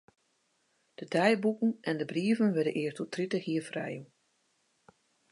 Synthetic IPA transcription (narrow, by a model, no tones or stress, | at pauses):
d̥ədɛjbukən̩ɛndəbriəvənʋɛdənʔɪːrtɔtritəxhiːəfrɛ̰ju